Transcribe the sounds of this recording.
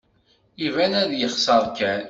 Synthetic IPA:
ivænæðjəχsəɾˤkæn

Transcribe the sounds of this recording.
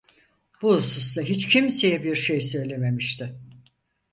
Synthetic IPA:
b̥uhusust̪ˠaɦit͡ʃcʰimse̞jɛbiɾʃejsø̞jlʲe̞me̞miʃt̪ʰɪ

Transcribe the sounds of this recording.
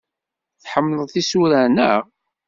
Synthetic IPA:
θħəmːləðˤθisuɾænə

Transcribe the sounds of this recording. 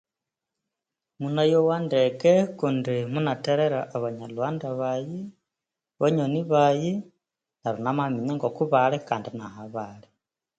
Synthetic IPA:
munajowandekekundimunateɾeɾaʔːβaɲalwaːndaβaji | βaɲoniβaji | naɾunamamiɲaŋɡokuβalekaːndinahaβale

